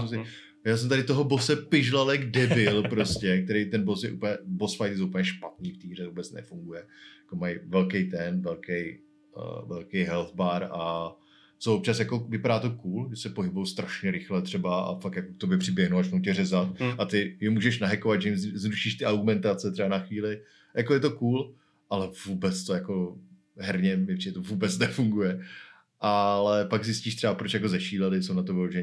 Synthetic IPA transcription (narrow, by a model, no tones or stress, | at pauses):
sɛmsɪ | jaːs̬ɛmt̪aɾɪt̪oɦobosɛpɪʒlalɛɡdɛvɪlpɾoscɛk̚t̪ɛɾejt̪ɛnbos̬jɛʔuplɲɛbosfajt̪soup̩ɲɛʃpat̪niːft̪iːrɛvuːbɛt͡snɛ̰fuŋɡujɛjjakomajvɛlkejt̪ɛnvɛlkɛj̰ | vɛlkejɦɛlθbaːɾa | t͡sovop̚t͡ʃasjako̞vɪpaɾaːt̪o̞kuːlʒɛsɛpoɦɪbujowst̪ɾaʃɲɛɾɪxlɛt̪r̝̥ɛbaa̰fakjakok̚t̪objɛpr̝̥ɪbjɛɦnowat͡ʃnowcɛrɛzat̪̚ʔat̪ɪjɛmuːʒɛʃnaɦɛkovat̪ʒɛjɪmzɾuʃiːʃt̪ɪʔaɾɡumɛnt̪at͡sɛt̪rɛbanaxviːlɪ | jakojɛt̪o̞kuːl | ʔalɛvuːbɛt͡st̪ojako̞ | ɦɛɾɲɛmɛpr̥idɛt̪ovuːbɛt͡snɛfuŋɡujɛ | ʔalɛpaɡzɪsciːʃt̪r̥ɛbapɾot͡ʃjakozɛʃiːlɛlɪsownat̪̬obɛoʒɛ